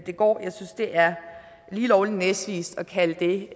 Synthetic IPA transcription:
d̥e̝ɡ̥ɒ̰ːjɑ̈ɪsynsd̥e̝ʔæɐ | liːlɒʊlinesd̥ʋḭːsd̥ɒ̽kʰæləd̥e̝

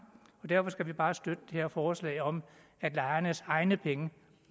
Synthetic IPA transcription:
ɒ̽d̥æɐfɒ̽sɡ̥æʋib̥ɑ̈ːsd̥ød̥əd̥e̝heɐfɒːslɛ̰ɪɒ̽m | æd̥lɑ̈ɪɐnəsɑ̈ɪnəpʰeŋə

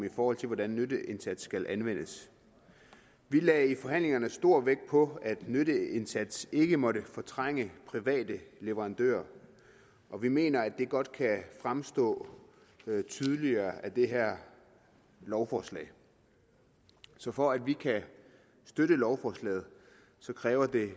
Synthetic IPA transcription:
ifɒːhɒ̽l̰t͡sʰe̝ʋɒd̥ænːødəʔe̝nsæd̥sːɡ̥ælʔænʋen̰əs | ʋilɛːifɒ̽ɦæn̰le̝ŋɐnəsd̥o̝ɐ̰ʋeɡ̥̚pʰɒ̽æd̥nøɾəe̝nsæd̥se̝ɡ̥əmɒ̽ɾəfɒ̽t͡sʰʁaŋ̰əpʰʁiʋɛ̰ːdəle̝ʋəʁɑ̈nd̥ø̰ːɐ | ʔɒ̽ʋime̝̰ːnɐæd̥e̝ɡ̥ɒ̽d̥̚kʰæfʁamsd̥ɔ̰̽ː | t͡sʰyð̞ˠliɐːæd̥e̝ɦæɐ̰ | lɒʊfɒːslɛ̰ːɪ | sɒ̽fɒ̽æd̥ʋikʰæ | sd̥øɾəlɒʊfɒːslɛ̰ːð̞̩ˠ | sɒ̽kʰʁɛːʊɐd̥e̝

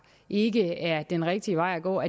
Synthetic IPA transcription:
ʔe̝ɡəæɐd̥enʁɛɡ̥̚d̥iəʋɑ̈ɪ̰æɡ̥ɔ̰ːæ

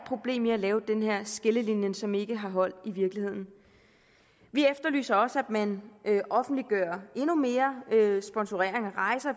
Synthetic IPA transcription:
pʰʁo̝b̥le̝̰ːmiælɛːʊd̥enɦeɐ̰sɡ̥eləlinjənsɒ̽me̝ɡ̥əɦɑ̈ɦɒ̽l̰d̥iʋiɐɡ̥lihe̝ð̰ˠn̩ | ʋiefd̥ɐly̰ːsɐɒ̽sæd̥mænʔøʔɒ̽fn̩d̥liɡ̥ɶɐ̰e̝nume̝ːɐøsb̥ɒ̽nsuʁḛɐ̰e̝ŋɒʁɑ̈ɪsɐ

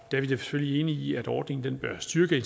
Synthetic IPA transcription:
d̥æɐʋid̥e̝sə̥føl̰lie̝ːnəiæd̥ɒːd̥ne̝ŋn̩d̥enb̥ɶɐsd̥yɐɡ̥əe

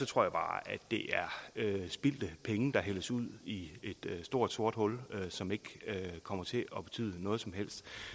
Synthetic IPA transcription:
sɒ̽t͡sʰʁo̰ɐ̰jab̥ɑ̈ːæd̥ːe̝ʔæɐøsb̥il̰d̥əpʰeŋəd̥ɑ̈ɦel̰ɐsuð̞̰ˠie̝d̥sd̥o̝ɐ̰d̥so̝ɐd̥hɔ̽løsɒ̽me̝ɡ̥økʰɒ̽m̰ɐt͡sʰe̝ʔɒ̽b̥e̝̥t͡sʰy̰ːð̰ˠnɔ̽ːð̞̩ˠsɒ̽mɦel̰sd̥

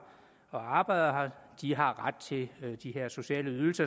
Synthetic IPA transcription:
ɒ̽ɑ̈ːb̥ɑ̈ɪ̰ð̥ˠɐɦɑ̈d̥iɦɑ̈ʁad̥̚t͡sʰe̝d̥iɦe̝ɐ̰so̝ɕɛ̰ːləyðˠl̩sɐ

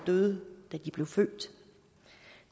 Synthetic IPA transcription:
d̥øðˠd̥æd̥ib̥le̝ʊfø̰ːd̥

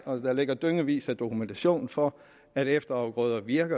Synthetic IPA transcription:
ɒsd̥ɑle̝ɡ̥ɐd̥øŋəʋḭːsæd̥o̝kʰument͡sʰæɕo̝̰ːnn̩fɒ̽ | æɾefd̥ɐɑ̈ʊɡ̥ʁɔ̰ːðˠɐʋiɐɡ̥ɐ

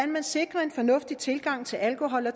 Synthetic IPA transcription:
ænmænse̝ɡ̥ʁɐe̝nfɒ̽nɔ̽fd̥it͡sʰe̝lɡ̥ɑ̈ŋ̰t͡sʰe̝lælkʰo̝ɦɒ̽l̰ɒ

